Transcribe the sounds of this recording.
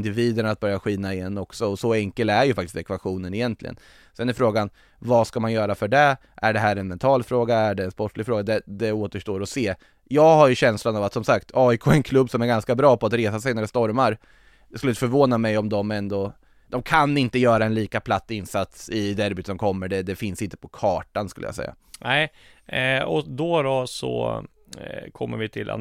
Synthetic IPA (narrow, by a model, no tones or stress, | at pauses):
nd̪ɪviːd̪ənat̪̚bœɾjaɧiːnaɪjɛnːɔksɔɔsɔɛŋkəlæɾjɵfak̚t̪ɪst̪ɛkvaɧuːnənɪjɛnt̪lɪ̰ɡə̰n | sɛnæɾɪfɾoːɡan | vaskamanjœːɾafœɖɛ | ʔæɖɛɦæːɾɛnmɛnt̪ʰɑːlfɾoːɡaæɖɛːnspɔʈːlɪɡfɾoːɡad̪ɛd̪ɛoːt̪əʂʈoːɾɔseː | jɑːɡɦaɾjɵɕɛnslanavat̪sɔmsakt̪ʰɑːɪkʰoːɛnkʰlɵbːsɔmæɾɡanskabɾɑːpʰɔat̪ɾeːsasɛjnæɖɛst̪ɔɾmaɾ | d̪ɛskɵlɪfœɾvoːnamɛjɔmd̪ɔmɛnd̪ɔ | d̪̥ɔmkʰanɪnt̪əjœːɾaɛnliːkapʰlat̪ːɪnsat̪sɪd̪æɾbʉt̪sɔmkʰɔmːəɖɛd̪ɛfɪnsɪnt̪ə̥pʰɔkʰɑːʈanskɵləja̰sɛ̰jːa̰ | nɛɪ | ɔd̪ɔd̪ɔsɔ̰ | kʰɔmːə̰ɾvɪt̪ʰɪlʔa̰